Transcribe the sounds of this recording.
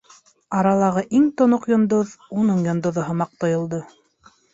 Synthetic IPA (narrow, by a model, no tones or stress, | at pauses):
ɑɾɑlˠɑʁɤʔiŋt̪ŏnoqjŏnd̪oðunɤɴjŏnd̪ŏðoɦɤmɑq̚t̪ŏjŏlˠd̪ɤ